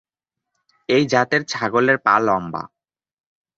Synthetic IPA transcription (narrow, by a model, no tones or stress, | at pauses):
ejd͡ʑat̪eɾt͡ɕʰaɡoleɾpa̰lɔmba̰